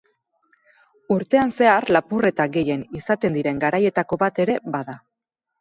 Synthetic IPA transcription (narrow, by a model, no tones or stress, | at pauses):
uɾt̪e̞anse̞arlapure̞t̪aɡe̞je̞nisat̪e̞nd̪iɾe̞ŋɡaɾaje̞t̪ako̞βat̪e̞ɾe̞βaða